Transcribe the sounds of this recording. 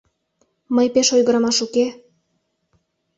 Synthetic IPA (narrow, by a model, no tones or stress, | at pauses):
məjpeʃojɣəɾɑmɑʃuke